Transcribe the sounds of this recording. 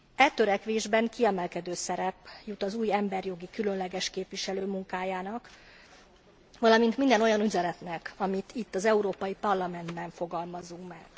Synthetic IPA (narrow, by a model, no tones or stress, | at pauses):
ɛt̪øɾɛkʋeːʒbɛŋkiɛmɛlkɛd̪øːsɛɾɛpjut̪ɒzuːjɛmbɛrjo̞ɡikylø̞nlɛɡɛʃkeːpʋiʃɛløːmuŋkaːjaːnɒk | ʋɒlɒmint̪mind̪ɛno̞jɒnyzɛɾɛt̪nɛkɒmit̪ʰit̪ːɒzɛuɾoːpɒjipɒrlɒmɛnd̪bɛɱfo̞ɡɒlmɒzuŋkmɛɡ̥